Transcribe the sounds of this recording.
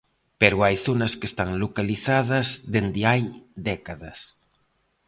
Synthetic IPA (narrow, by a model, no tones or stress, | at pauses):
peɾʊajθonɐskest̪aŋlokaliθað̞ɐzðend̪ɪajd̪ɛkaðɐs